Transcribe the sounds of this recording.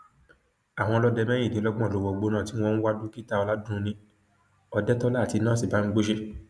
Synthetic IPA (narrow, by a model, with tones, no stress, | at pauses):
a˨w̃ɔ̃˧lɔ˦dɛ˧mɛ̃˦ĩ˦˨nĩ˨˦lɔ˦ɡ͡bɔ̃˦˨lo˨˧wɔ˧ɡ͡bo˧nãː˦˨ti˨˦w̃ɔ̃˧˦n̩˦wa˦dũ˦ki˦ta˦ɔ˧la˦dũ˦˧nĩ˧ | ɔ˧dɛ˦tɔ˦la˦˨ti˧nãː˦˨si˨ba˨˦n̩˦ɡ͡bo˦ʃe˦